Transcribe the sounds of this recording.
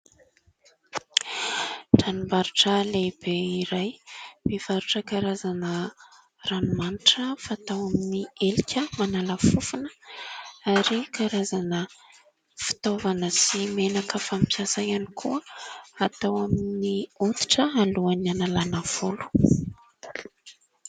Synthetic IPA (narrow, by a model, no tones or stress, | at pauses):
ʈ͡ʂanimbaɾuʈ͡ʂəlebeiɾajmivaɾuʈ͡ʂəkaɾazanə | ranumaniʈ͡ʂəfaːt̪awaminielikʲəmanaləfufunə | aɾikaɾazanə | fi̥t̪ovanəsimenakəfampiasajanikʰuəat̪awaminiut̪i̥ʈ͡ʂəaluanianalanav̥ulu̥